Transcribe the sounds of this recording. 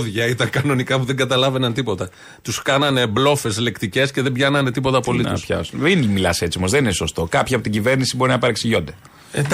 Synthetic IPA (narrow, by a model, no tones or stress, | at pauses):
ðʝɐit̪ɐŋkɐno̞nikɐpuðeŋɡɐt̪ɐlɐve̞nɐnt̪ipo̞t̪ɐ | t̪uskɐnɐne̞blo̞fe̞sle̞kt̪ice̞sceðembʝɐnɐne̞t̪ipo̞t̪ɐpo̞lituspçɐ̰sunðenmilɐse̞t͡siomozðenineso̞st̪o̞kɐpçiɐpo̞t̪iɟive̞ɾnisibo̞ɾinɐpɐɾɐksiʝo̞nd̪e